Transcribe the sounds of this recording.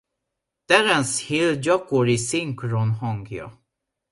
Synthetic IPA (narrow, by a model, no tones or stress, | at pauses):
t̪ɛɾɛnshild͡ʒɒkoɾisiŋkronɦɒŋɡjɒ̰